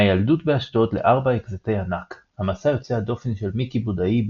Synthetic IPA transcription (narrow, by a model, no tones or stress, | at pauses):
ajaldutbeaʃt̪otle̞ʔaʁbaekzetejhanakhamasajo̞t͡sead̪o̞fe̞nʃe̞lmikibudai